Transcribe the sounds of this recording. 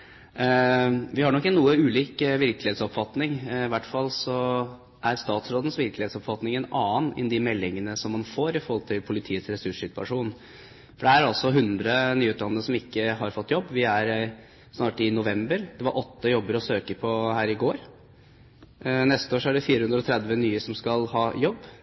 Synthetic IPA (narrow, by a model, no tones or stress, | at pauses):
ʋɪhɑɳɔkːɪənuːəʉːliːkʋɪɾklɪheːt̪sɔpfɑt̪nɪŋɪʋæʈːfɑlːsɔ | ʔæɾst̪ɑːt̪sɾoːd̪ən̩sʋɪɾklɪeːt̪sɔpfɑt̪nɪŋɛnɑːnɪ̰nd̪ɪmɛlːɪŋənəsɔmːɑnfoːɾɪfɔɾhɔlt̪ʰɪlpʰʊlɪt̪ʰiːət̪sɾɛsʉʂsɪt̪ʉɑ̰ʂuːn | fɔɖɛhæːɾɑlsɔɦʉnd̪ɾənyːʉt̪lɑnːəəsɔmɪkːəɦɑɾfɔt̪ːjɔbːʋɪæɾ | snɑːʈɪnʊʋɛmbəɾd̪ɛʋɑɾʔɔt̪ːəjɔbːəɾɔsøːkəpʰɔhæːɾɪɡoːɾ | nɛst̪əoːʂɔæɖɛfiːɾəhʉnd̪ɾɔt̪ʰɾɛd̪ʋənyːəsɔmskɑlhɑːjɔbː